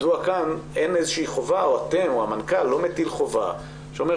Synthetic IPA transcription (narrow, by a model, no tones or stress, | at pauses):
zuakane̞nezeʃeiχo̞vao̞at̪e̞moamankalːo̞met̪ilχo̞va̰ | ʃeome